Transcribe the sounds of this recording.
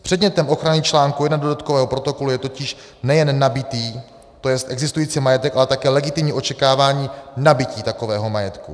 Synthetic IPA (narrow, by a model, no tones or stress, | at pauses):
pr̥ɛdɲɛt̪ɛmʔo̞xɾanit͡ʃlaːŋkujɛdnadodat̪̚kovɛːɦo̞pɾo̞t̪o̞ko̞lujɛt̪o̞cɪʃ | nɛjɛnːabɪt̪iː | t̪o̞jɛst̪ʔɛɡzɪst̪ujiːt͡simajɛt̪ɛkʔalɛt̪akɛːlɛɡɪt̪ɪmɲiːʔo̞t͡ʃɛkaːvaːɲiːnabɪciːt̪ako̞vɛːɦo̞majɛt̪ku